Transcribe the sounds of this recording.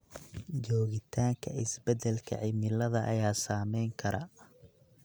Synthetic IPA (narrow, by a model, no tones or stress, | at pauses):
d͡ʒɔːɣɪt̪ʰaːŋkʰɐɪsbɛd̪ɛlkʰɐ̰ʕɪmɪlɐðɐʔɐjaːsaːmɛjŋkʰɐɾaː